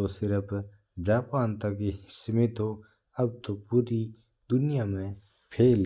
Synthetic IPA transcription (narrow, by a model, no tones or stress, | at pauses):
osɪɾəp | d͡ʒaːpaːnt̪ɐkːisɪmɪt̪o | ɐb̚t̪õpuːɾi | d̪ʊnɪjaːmẽ | pʰeːl